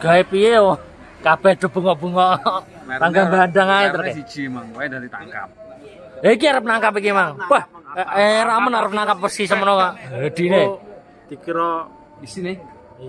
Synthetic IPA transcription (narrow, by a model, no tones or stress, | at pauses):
ɡ̥aipije | kab̥ɛhd̪̥ɔ̤b̥ə̤ŋɔʔb̥ṳŋɔʔ | taŋɡamband̪aŋaet̪ərkeid͡ʒimaŋad̪aɾit̪aŋka̰p̚ | aik̬iaɾəp̚naŋkapikimaŋwaheɾamənaɾəp̚naŋkap̚ːəsisəmənokaʔdad̪̥i̤ne | d̪̥i̤kiɾɔ | isin